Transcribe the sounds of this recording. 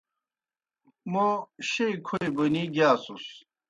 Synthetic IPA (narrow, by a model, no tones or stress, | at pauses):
moɕeikʰoibɐniɡaːsus